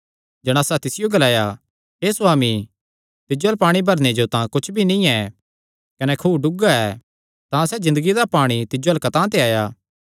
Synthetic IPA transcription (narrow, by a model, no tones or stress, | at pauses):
d͡ʒɛɽ̃aːsat̪ɪsɪjoɡɐlaːja | ɦeːsʊwaːmi | t̪ɪd͡ʒoɐlpaːɽ̃ibʱɐɾned͡ʒot̪ãkʊt͡ʃʰbʱinĩɛ | kɐnɛkʰuːɖʊɡaɛː | t̪ãsɛzɪ̃nd̪əɡid̪apaːɽ̃it̪ɪd͡ʒoɐlkɐt̪ãt̪̬eaːjaː